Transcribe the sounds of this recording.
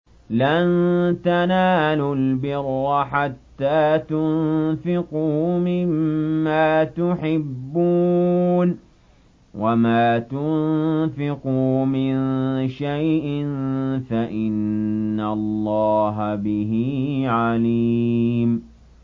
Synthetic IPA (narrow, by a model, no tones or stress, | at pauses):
lant̪anaːlʊlbɪrːɑħat̪ːaːt̪ʊnfɪqʊmɪmːaːt̪ʊħɪbːuːn | wamaːt̪ʊnfɪqʊmɪnʃajʔɪnfaʔɪnːalˤːɑːɦabɪɦiʕaliːm